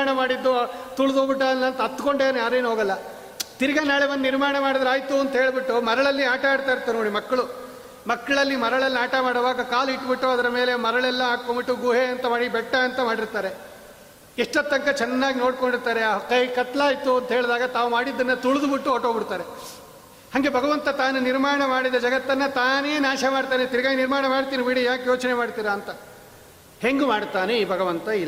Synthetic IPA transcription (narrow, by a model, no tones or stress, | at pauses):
ɳɐmaːɽid̪ːut̪uɭud̪obiʈːɐnːɐnt̪ɐɐt̪ːko̞ɳɖeːnjaːɾe̞ːnɦo̞ːɡɐlːɐ | t̪iɾiɡɐnaːɭebɐnːniɾmaːɳɐmaːɽid̪ɐɾaːjt̪uɐnt̪ɐɦe̞ːɭbiʈːumɐɾɐɭɐlːiaːʈɐmaːɽt̪aːjiɾt̪ːaːɾnoːɽimɐkːɐɭu | mɐkːɐɭɐlːimɐɾɐɭɐlːiaːʈɐmaːɽoʋaːɡɐkaːliʈːbiʈːuɐd̪ɐɾɐme̞ːle̞mɐɾɐɭɛlːɐaːkkombiʈːuɡuɦeɐnt̪ɐmaːɽibɛʈːɐɐnt̪ɐmaːɽiɾt̪aːɾe | iʂʈɐt̪ːɐŋkɐt͡ʃɛnːaːɡino̞ːɽkoɳɖiɾt̪aːɾekɐjkɐt̪laːjit̪ːuɐnt̪ɐɦeːɭd̪aːɡɐt̪aːʋumaːɽid̪ːɐnːɐt̪uɭud̪ubiʈːuɦɔʈoːbiɽt̪aːɾe̞ | hɐŋɡe̞bʱɐɡɐʋɐnt̪ɐt̪aːnuniɾmaːɾɐɳɐmaːɽid̪ɐd͡ʒɐɡɐt̪ːɐnːɐt̪aːneːnaːʃɐmaːɽt̪aːnet̪iɾɐɡaːjiniɾmaːɳɐmaːɽt̪iːnibiɽijaːkjoːt͡ʃɐnemaːɽt̪iːɾaːnt̪ɐ | he̞ŋɡumaːɽt̪aːneiːbʱɐɡɐʋɐnt̪ɐil